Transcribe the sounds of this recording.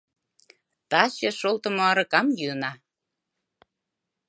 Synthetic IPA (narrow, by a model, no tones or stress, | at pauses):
t̪ɑt͡ɕĕʃolˠt̪ə̆moɑɾɤ̆kɑmjynɑ